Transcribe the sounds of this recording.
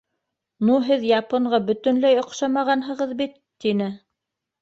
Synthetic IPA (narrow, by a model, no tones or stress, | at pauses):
nuɦɘðjɑpŏɴɢɑbɵ̆t̪ɵ̆nlæjŏqʃɑmɑʁɑnɦɤ̆ʁɤðbit̪ːinɘ